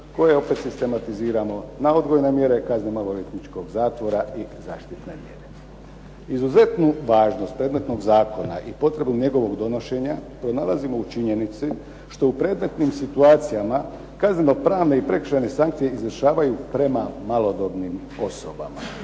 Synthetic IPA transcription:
ko̞je̞o̞pe̞t̪sist̪e̞mat̪iziːɾamo̞nao̞d̪ɡojenemje̞ɾe̞kaznenoʋoʋet̪nit͡ʃko̞ɡzaːt̪ʋo̞ɾaizaːʃt̪it̪ne̞̰mje̞̰ɾe̞ | izuze̞t̪nuʋaːʒno̞st̪̚pɾe̞d̪me̞t̪no̞ɡzaːko̞na̰ʔipo̞t̪ɾe̞bnuɲe̞ɡo̞ʋo̞ɡd̪o̞no̞ʃe̞ɲapɾo̞naːlˠazimo̞ut͡ʃiɲe̞nit̪si | ʃt̪o̞upɾe̞d̪me̞t̪nimsit̪uaːt̪sijama | kazneno̞pɾaːʋne̞ipɾe̞kr̥ʃene̞saŋkt̪sije̞izʋr̩ʃaːʋajupɾe̞mamalo̞d̪obnim | o̞soba̰ma̰

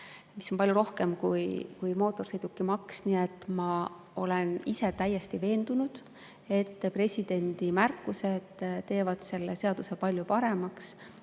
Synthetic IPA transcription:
miso̞npɑljuɾo̞hke̞mkujkujmo̞ːt̪ːˑo̞rsejd̪̥ukːimɑksniet̪ːˑmɑ | o̞̰le̞nise̞t̪æjːe̞st̪ive̞ːnd̪̥unud̪̥ | e̞t̪ːpre̞sʲid̪̥e̞nʲd̪̥imærkːˑuse̞d̪̥t̪ːe̞ːvɑd̪̥se̞lːese̞ɑd̪̥use̞pɑlʲjupɑɾe̞mɑks

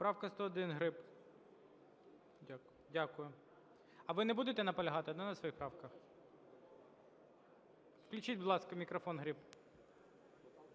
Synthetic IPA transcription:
pɾɑwkɐst̪ɔːd̪ɪnɦɾɪp | dʲak | dʲakʊjʊ | ɐʋɪnɛbud̪et̪ɛnɐpɔlʲɐɦɑt̪ɪɔd̪nɑnɐsʋɐjixpɾɑwkɐx | fklʲʉt͡ʃid̚ʲbʊd̪lˠɑskɐmʲikɾɔfɔnɦɾɪp

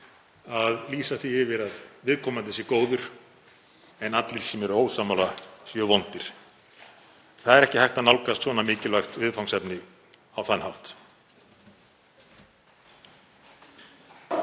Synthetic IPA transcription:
aðliːsaθiɪvɪɾaðvɪðkʰɔːmant̪ɛsɪkoːwðʏɾ̥ | ɛnat̪lɪɾ̥sɛmɛɾʏoːwsaːmalasjœvɔwnt̪ɪɾ̥ | θaðɛɾɛhcɪhajht̪anawlkast̪svɔnamɪːcɪlvajxt̪vɪðfawnsɛpnɪ | awθanːhawt̪

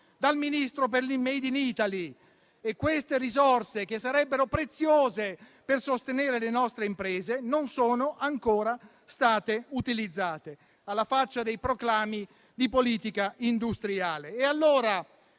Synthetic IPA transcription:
d̪alminist̪ɾop̬erlimːejd̪init̪ali | ekːwest̪eɾizorsek̟esːaɾɛbːeɾopɾet̪sːjoːze | persost̪eneːɾelenɔst̪ɾeimpɾɛːzenonsoːnoʔaŋkoːɾa | st̪aːt̪eut̪ilid̪zːaːt̪e | alːafat͡ʃːad̪ejpɾoklaːmi | d̪ipoliːt̪ikaʔind̪ust̪ɾiaːleːalːoːɾa

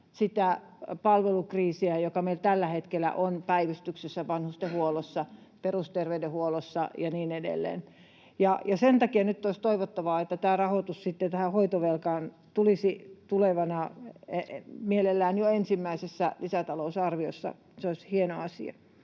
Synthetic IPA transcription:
sit̪æ | pɑlʋelukriːsiæjokɑmeilt̪ælːæhet̪kelæ̰ʔonpæiʋist̪yksesːæʋɑnhust̪ehuolosːɑ | perust̪erʋeydehuolosːɑ̰jɑniːnedḛlːḛːn | jɑjɑsent̪ɑkiɑnyt̪ːoist̪oiʋot̪ːɑʋɑːet̪ːæt̪æːrɑhot̪ussit̪ːet̪æhæhoit̪oʋelkɑːn | t̪ulisit̪uleʋɑnɑ | mielelːæːnjoensimːæisesːælisæt̪ɑlousɑrʋiosːɑ̰ | seosʲhienoɑsḭɑ̰

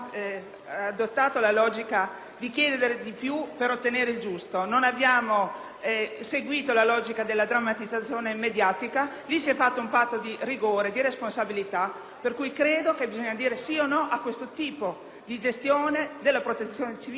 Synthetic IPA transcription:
ad̪ot̪ːaːt̪olalɔːd͡ʒika | d̪ikjɛːd̪ed̪eɾed̪ipjupeɾot̪ːeneːɾeild͡ʒust̪ononabjaːmo | seɡwiːt̪olalɔːd͡ʒikad̪elːad̪ɾamːat̪id̪zːat̪sːjoːneimːed̪jaːt̪ika | lisiɛfːat̪ːoumpat̪ːod̪iriɡoːɾed̪iɾesponsabilit̪a | perkuːjkɾeːd̪okebizɔɲːad̪iːɾesionːɔʔakːwest̪ot̪iːpo | d̪id͡ʒest̪joːned̪elːapɾot̪et̪sːjoːnet͡ʃi

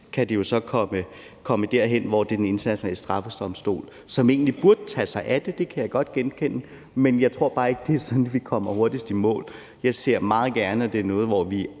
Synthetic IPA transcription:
kʰæd̥ejo̝sɒ̽kʰɒ̽mə | kʰɒ̽məd̥æɐ̰ɦen̰ʋɒd̥ed̥ene̝nd̥ɐnæɕsonmɛ̰ːləsd̥ʁɑ̈fəsd̥ɒ̽msd̥o̝̰ːl | sɒ̽me̝̰ːnlib̥uɐd̥t͡sʰɛsɑ̈ɪʔæd̥e̝d̥e̝kʰæjɑ̈ɪɡ̥ɒ̽d̥̚ɡ̥enkʰen̰ə | menjɑ̈ɪt͡sʰʁo̝ɐ̰b̥ɑ̈ːe̝ɡ̥əd̥e̝æɐsɒ̽nn̩ʋikʰɒ̽m̰ɐho̝ɐd̥isd̥imɔ̰̽ːl | jɑ̈ɪse̝ɐ̰mɑ̈ːð̞̩ˠɡ̥æɐnəd̥e̝ɐnɔ̽ːð̞̩ˠʋɒʋi

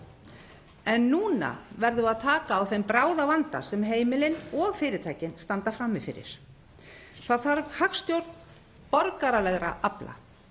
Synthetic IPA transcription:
ɛnːuːna̰vɛɾðʏaðt̪ʰaːkaːwθejmpɾaːwðavant̪a̰sɛmɦeːjmɪlɪnɔɣfɪːɾɪt̪ʰaːjcɪnst̪ant̪afɾamːɪfɪ̰ɾɪ̰ɾ̥ | θaðθaɾvhakst̪jowɾt̪n | pɔɾkaɾalɛɣɾa̰ʔapla̰

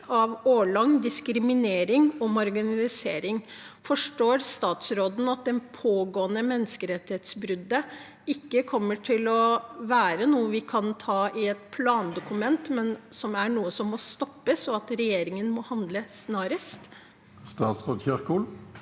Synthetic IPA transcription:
ɑʋoːɭɑŋd̪ɪskɾɪmɪneːɾɪŋɔmɑɾɡɪnɑlɪseːɾɪŋfɔʂʈoːɾst̪ɑːt̪sɾoːd̪n̩ɑt̪̚d̪ɛnpʰoːɡoːənəmɛnːəskəɾɛt̪ːɪheːt̪sbɾʏd̪ːə | ɪkːəkʰɔmːəʈʰɪlɔʋæːɾənuːəʋɪkʰɑnt̪ʰɑːɪɛt̪pʰlɑːnd̪ʊkʉmɛnt̪mɛnsɔmæɳuːəsɔmːɔst̪ɔpːəsɔɑt̪ɾɛjeːɾɪŋənmɔhɑnd̪ləsnɑːɾəst̪ | st̪ɑːt̪sʁoːd̪çœʁkuːl

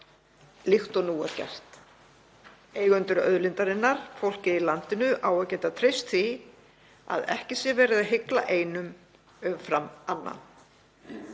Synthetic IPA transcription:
lixt̪ɔnuːaɾcɛ̰r̥t̪ | eːjɣʏnt̪ʏɾœ̰ðlɪnt̪aɾɪnːaɾ̥fowl̥cɪilant̪ɪnʏʔaːwɛcɛnt̪at̪ʰɾejst̪θi | a̰ðɛ̰hcɪsjɛvɛːɾɪðaðɦɪkla̰ʔeːjnʏm | ʏmfɾamanːa̰n

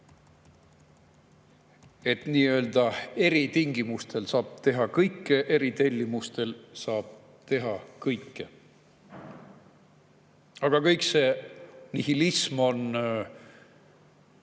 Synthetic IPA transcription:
e̞t̪niːø̞ːld̪̥ɑe̞ɾit̪iŋɡimust̪e̞lsɑːb̥̚t̪e̞ɦɑkɤjkːeʔe̞ɾit̪e̞lʲːimust̪e̞lsɑːb̥̚ | t̪e̞ɦɑkɤjkːe | ɑɡ̥ɑkɤjkse̞ːnihilismo̞n

